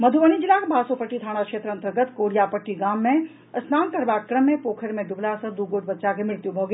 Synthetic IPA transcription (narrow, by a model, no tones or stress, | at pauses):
mɐd̪ʱuʋəɽ̃id͡ʒɪlaːkbʱaːsopəʈːit̪ʰaːɽ̃akʃeːt̪ɾəɐnt̪əɾɡət̪koːɽijapəʈːiɡaːmːẽ | ɐsnaːnk̪ɐɾbaːkkːɾəmːẽpoːkʰəɾmẽd̪ʊblasɐ̃d̪uːɡoːʈ̚bɐtːʃakʰemɪɭt̪jũbʱoɡe